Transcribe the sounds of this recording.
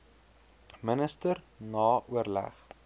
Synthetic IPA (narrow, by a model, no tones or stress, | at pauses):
mənəstər | nɑːʔuərlæ̰χ